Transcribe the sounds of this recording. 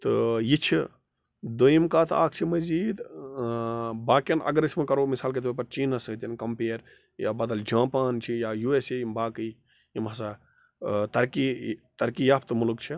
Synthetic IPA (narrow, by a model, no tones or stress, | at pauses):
t̪ɨ̰jit͡ʃʰi | d̪ojimkaːt̪a̰ːk̚ʰt͡ʃʰimɐziːd̪ | baːkɐnʔɐ̰ɡɐɾismekɐɾomisaːlk̬et̪̬ːpɐɾt͡ʃiːnɐsɐt̪jɐnkɐmpeːɾ | ja̰ːbɐd̪ɐld͡ʒãːpaːnt͡ʃʰijajueseimbaːkɨj | imɦɐsa | t̪ɐɾkit̪ɐɾkijaːpʰt̪mulkt͡ʃʰi